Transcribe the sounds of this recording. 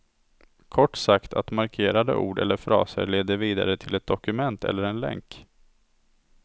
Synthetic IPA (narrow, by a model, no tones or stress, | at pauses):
kʰɔʈːsakt̪ʰa̰t̪maɾkʰeːɾad̪ə̰ʔuːɖɛlːəɾfɾɑ̰ːsə̰ɾɭeːd̪əviːd̪a̰ɾət̪ʰɪlɛt̪̚d̪ɔkɵmɛnt̪ʰɛ̰lːəɾɛnlɛ̰ŋk